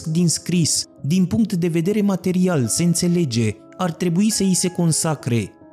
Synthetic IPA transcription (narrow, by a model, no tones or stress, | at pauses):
kd̪inskɾis | d̪inpuŋk̚t̪d̪e̞ve̞d̪e̞ɾe̞mat̪e̞ɾialse̞ɨnt̪se̞le̞d͡ʒe̞ | art̪ɾe̞buisəise̞ko̞nsakɾe̞